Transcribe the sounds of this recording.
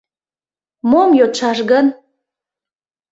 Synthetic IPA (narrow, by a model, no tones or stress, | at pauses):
momjot͡ʃɑʃɣən